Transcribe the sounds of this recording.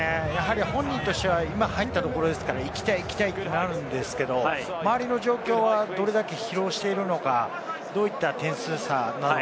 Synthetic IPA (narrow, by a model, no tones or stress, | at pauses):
ejaɦaɾʲihõ̞ɲ̟ːĩnt̪o̞ɕt̪eβaimahait̪ːat̪o̞ko̞ɾo̞d̪e̞sɨ̥kaɾaikʲi̥t̪aiːkʲi̥t̪ait̪ːonaɾɯ̟̃nd̪e̞sɨ̥ke̞d̪o̞ | maβaɾʲino̞ʑo̞ːkʲo̞ːβad̪o̞ɾe̞d̪ake̞çiɾo̞ːɕi̥t̪e̞iɾɯ̟no̞ka | d̪o̞ːit̪ːat̪ẽ̞ɰ̃sɨːsana